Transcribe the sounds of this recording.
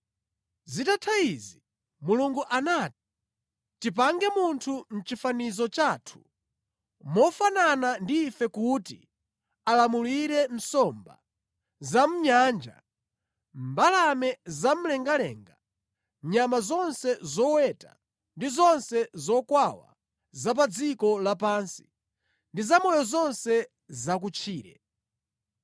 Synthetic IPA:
zitatʰaizi | muluŋɡuʔanaːti̥ | tip̬aŋɡɛmuntʰum̩t͡ʃifanizɔt͡ʃaːtʰu̥ | mɔfananandiːfɛkuti | alamuliɾɛm̩sɔmba̰ | zam̩ɲaːnd͡ʒa̰ | mmbalamɛzam̩lɛŋɡalɛ̰ːŋɡa | ɲamazɔnsɛzɔwɛta̰ | ndizɔnsɛzɔkwawa̰ | zap̬ad͡zikɔlapansi̥ | ndizamɔjɔzɔnsɛ | zakut͡ʃʰiːɾɛ̰

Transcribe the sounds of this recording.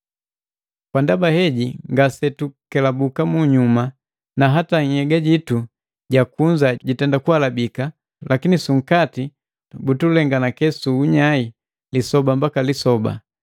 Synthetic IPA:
kwandabahɛɟiŋɡasɛtukɛlabukamuɲuma | naɦataŋ̩hɛɡaɟitu | ɟakuɲd͡ʒaɟitɛndakualabika | lakinisuŋ̩kati | butulɛŋɡanakɛsuːɲai | lisɔbambakalisɔba̰

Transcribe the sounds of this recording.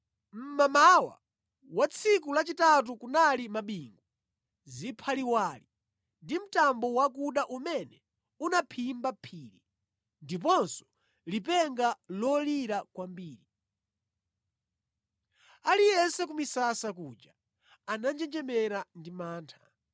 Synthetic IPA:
m̩mamawa̰ | wat͡sʰikulat͡ʃitat̬ukunalimaɓiŋɡu | zipʰaliwaːli | ndim̩tambɔwak̬uɗaʔumɛnɛ | unapʰimbapʰiːli | ndip̬ɔnsɔ̥ | lipɛŋɡalɔliɾakwambiːɾi | alijɛnsɛk̬umisasakud͡ʒa | anand͡ʒɛnd͡ʒɛmɛɾandimaːntʰḁ

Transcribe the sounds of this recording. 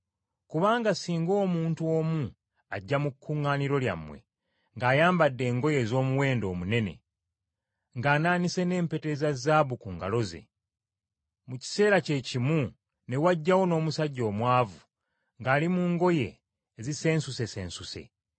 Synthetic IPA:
kuβaːŋɡasiːŋɡo̞ːmuːntuo̞ːmu | aɟːamukːuŋːaːniɾo̞lja̰mwe̞̰ | ŋɡaːjaːmbadːe̞ːŋɡo̞je̞ːzo̞ːmuwe̞ːndo̞ːmune̞ne̞̰ | ŋɡaːnaːnise̞ne̞ːmpe̞te̞zazaβukuːŋɡa̰lo̞ze̞̰ | muci̥se̞ːɾace̞ːcimu | ne̞waɟːawo̞no̞ːmusaɟːo̞ːmwaːvu | ŋɡaːlimuːŋɡo̞je̞̰ː | zise̞ːnsuse̞sḛːnsuse̞̰

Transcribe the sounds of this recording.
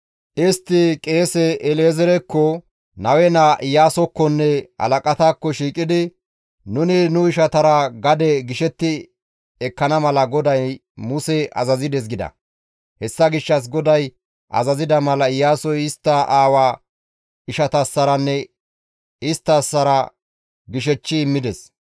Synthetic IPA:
ʔɪst̪ːɪkʼe̞ːsɛʔɛleːzɛɾɛkːɔ | nɐwɛnɐʔɪjaːsɔkːɔnːɛɐ̰lɐkʼɐt̪aːkːɔʃiːkʼɪd̪ɪ | nʊnɪnʊɪʃɐt̪ɐɾɐɡɐd̪ɛɡɪʃɛt̪ːɪ | ɛkːɐnɐmɐlɐɡɔd̪ɐj | mʊsɛɐ̰zɐzɪd̪ɛs̬ɡɪd̪ɐ̰ | hɛsːɐɡɪʃːɐs̬ɡɔd̪ɐj | ʔɐ̰zɐzɪd̪ɐmɐlɐɪjːaːsɔjɪst̪ːɐʔaːwaː | ɪʃɐt̪ɐsːɐɾɐnːɛ | ɪst̪ːɐsːɐɾɐ | ɡɪʃ̬ɛt͡ʃːɪːmːɪd̪ɛs

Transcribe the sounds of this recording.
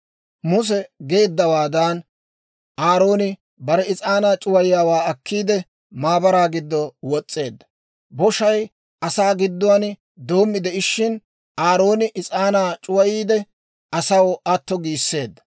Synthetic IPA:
mʊs̬ɛɡe̞ːd̪ːɐwaːd̪ɐn | ʔaːɾo̞ːnɪ | bɐɾɛɪt͡sʼaːnaːt͡ʃʼʊwɐjɪjaːwaːɐkːiːd̪ɛ | maːbɐɾaːɡɪd̪ːɔwɔt͡sʼːe̞ːd̪ːɐ | bɔʃɐj | ɐsaːɡɪd̪ːʊwɐnɪ | d̪o̞ːmːɪd̪ɛɪʃːɪn | aːɾo̞ːnɪʔɪt͡sʼaːnaːt͡ʃʼʊwɐjiːd̪ɛ | ɐsɐwɐt̪ːɔɡiːsːe̞ːd̪ːɐ̥

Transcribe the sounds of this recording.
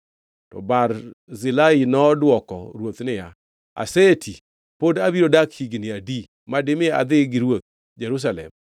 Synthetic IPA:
tɔ̰baɾzɪlainɔdwɔkɔ̰ɾwot̪nɪja | a̰setʰi | podabiɾodakhiɡnɪadi | madɪmɪa̰d̪ɪɡɪɾwot̪̚ | d͡ʒɛɾus̬alɛ̰m

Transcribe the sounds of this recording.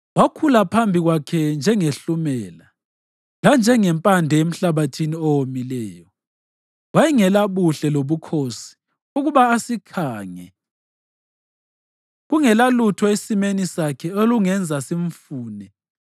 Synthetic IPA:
wakʰulapʰambʱiɣwakʰɛnd͡ʒʱɛŋeɬumɛːla | land͡ʒʱɛŋɛmpʼandʱɛem̩ɬaβatʰiniɔwomilɛːjɔ | wajiŋɛlaβuɬɛloβukʰosi̥ | uɣuβaːsikʰaːŋɛ̰ | ɣuŋɛlalutʰɔesimenisakʰɛoluŋɛnd͡zʱasiɱfuːnɛ

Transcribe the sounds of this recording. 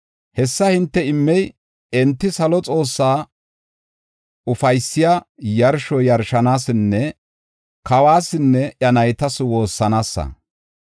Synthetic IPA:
hɛsːɐhɪnt̪ːɛɪmːɛj | ɛnt̪ːɪsɐlɔt͡sʼo̞ːsːaː | ʊfɐjsːɪjaː | jɐɾʃɔjɐɾʃɐnaːsɪnːɛ | kɐwaːsɪnːɛʔɐnɐjt̪ɐswo̞ːsːɐnaːsːɐ̰

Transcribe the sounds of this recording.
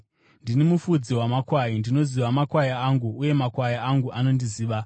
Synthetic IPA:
ndinimufud͡ziwamakwajindino̞ziʋamakwajaaŋɡuːje̞makwajaaŋɡuʔano̞ndiziːʋa

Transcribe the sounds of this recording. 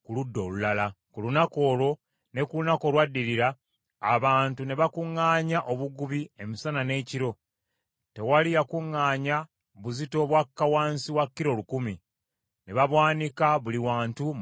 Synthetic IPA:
kuludːo̞̰lulala | kulunako̞ːlo̞ | ne̞kulunako̞lwadːiɾiɾa̰ː | βaːntune̞βakuŋːaːɲaʔo̞βuɡuβie̞misanane̞ːciɾo̞ | te̞walijakuŋːaːɲa | βuzito̞βwakːawaːnsiwakːiɾo̞lukumi | ne̞βaβwaːnikaβuliwaːntu

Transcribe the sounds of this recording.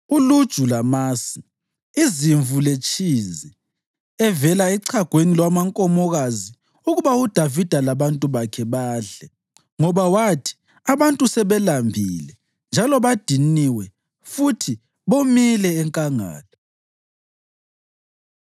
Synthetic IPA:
ulud̥ʒ̥ʱulamaːsi | iziɱvʱulet͡ʃʰʼizɛ | ɛvɛlaiǀʰaɡ̥ʱwenilwamaŋkʼɔmɔɣazi | uɣuβaud̥ʱavid̥ʱalaβantʼuβakʰɛβaːɮɛ | ŋɔβawatʰi̥ | aβantʼusɛβɛlambʱilɛ | nd͡ʒʱalɔβad̥ʱiniwɛ | futʰi | βomilɛːŋkʼaŋa̰ːla

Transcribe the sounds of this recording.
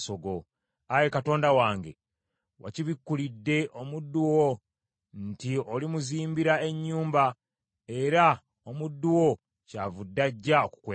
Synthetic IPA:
so̞ɡo̞ | aje̞kato̞ːndawaːŋɡe̞̰ | wa̰ciβikːulidːe̞ʔo̞mudːuwo | ntiolimuziːmbiɾae̞ɲːuːmba | e̞ɾa | omudːuwo̞ | caːvudːaɟːaoku̥kweː

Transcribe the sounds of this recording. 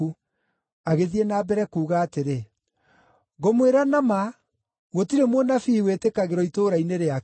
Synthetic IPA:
u | aɣeðienaːbɛɾɛkuːɣaːteɾe | ɣomweɾanama | ɣotiɾemwɔnafiiweːtekaɣeɾɔitoːɾaineɾea

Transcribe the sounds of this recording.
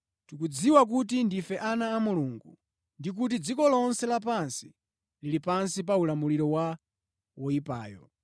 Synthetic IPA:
tukud͡ziwak̬ut̬indifɛʔanaːmuluŋɡu | ndik̬ut̬id͡zikɔlɔnsɛlapansi̥ | lilipansip̬aulamuliɾɔwa | wɔipa̰ːjɔ̰

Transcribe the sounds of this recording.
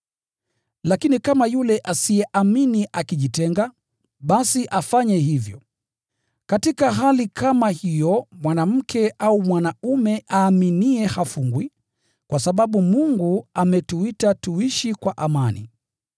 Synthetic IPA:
lakinikamajulɛʔasijɛʔaminiʔakiʄitɛŋɡa | ɓasiʔafaɲɛɦivjɔ̰ | katikaɦalikʰamahijɔmwanam̩kʰɛʔaumwanaumɛʔaːminiɛhafuŋɡwi | kwʔasaɓaɓumuŋɡuamɛtuitatuiʃikwaʔamanḭ

